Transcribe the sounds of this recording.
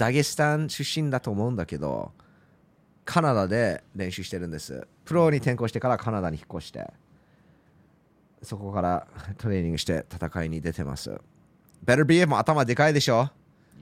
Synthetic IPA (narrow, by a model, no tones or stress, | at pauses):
d̪̥aɡʲesɨ̥t̪ãɕɨɕːĩnd̪at̪o̞ːmo̞ɯ̟̃nd̪ake̞d̪o̞̰ | kʰanad̪ad̪e̞ɾẽ̞ɕɨɕi̥t̪e̞ɾɯ̟̃nd̪e̞sɨ̰pɯ̟ɾo̞ɲ̟it̪ẽ̞ŋko̞ːɕi̥t̪e̞kaɾakʰanad̪aɲ̟içi̥kːo̞ɕi̥t̪e̞̰ | so̞ko̞kaɾat̪o̞ɾe̞ːɲʲĩŋɡɯ̟ɕi̥t̪e̞̰t̪ʰat̪akaiɲ̟id̪e̞t̪e̞ma̰sɨ̰ | bɛɾə˞biemoat̪amad̪e̞kaid̪e̞ɕo̞ː